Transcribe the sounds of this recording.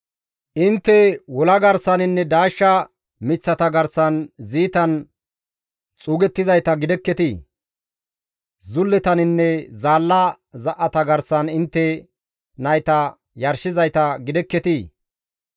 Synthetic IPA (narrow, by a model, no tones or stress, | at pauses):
ʔɪnt̪ːɛwɔlɐɡɐɾsɐnɪnːɛd̪aːʃːɐ | mɪt͡sːɐt̪ɐɡɐɾsɐnziːt̪ɐn | t͡sʼuːɡɛt̪ːɪzɐjt̪ɐɡɪd̪ɛkːɛt̪iː | zʊlːɛt̪ɐnɪnːɛzaːlːɐ | zɐʔːɐt̪ɐɡɐɾsɐnɪnt̪ːɛ | nɐjt̪ɐ | jɐɾʃɪzɐjt̪ɐɡɪd̪ɛkːɛt̪i